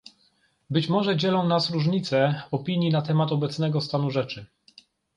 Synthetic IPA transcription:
bɘt͡ɕmɔʐɛd͡ʑɛlɔ̃w̃nasɾuʐɲit̪sɛɔpʲiɲjinat̪ɛmat̪ɔbɛt̪snɛɡɔst̪anuʐɛt͡ʂɘ

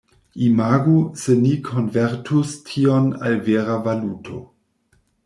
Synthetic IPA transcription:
imaːɡusenikʰonveɾtʰustʰiona̰lveːɾavalutʰo̰

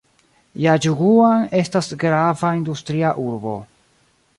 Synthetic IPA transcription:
jad͡ʒuɡuane̞stasɡɾavaindustɾiaʔuɾbo̞̰

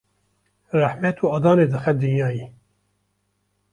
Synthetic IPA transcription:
ræħmɛt̪ʰuɑːd̪ɑːneːd̪ɨxɛd̪ɨnjɑːji

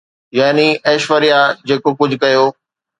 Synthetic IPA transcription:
jaːniɐːʃʋəɾijad͡ʑeːkokʊd͡ʑʱkɐjoː

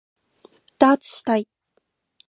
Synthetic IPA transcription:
d̥at͡sʰʃtʰajtʼ

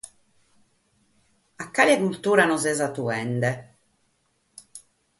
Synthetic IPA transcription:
akːaliakult̪uːɾanɔzɛzat̪uɛnd̪ɛ

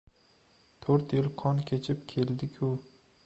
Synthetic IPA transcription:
t̪ʰoɾt̪jɪlqʰɒnkʲʰet͡ʃʰɪp̚kʲʰe̞ld̪ɪkʲʰʊ

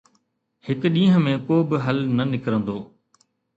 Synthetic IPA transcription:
hɪkɗĩːɦə̃mẽkoːbɪɦɐlnɐnɪkɾə̃nd̪oː

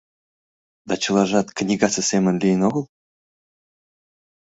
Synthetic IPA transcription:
d̪ɑt͡ɕɤ̆lˠɑʒɑt̪knʲiɡɑt͡səsʲemə̆nlʲijənoɣɤ̆lˠ

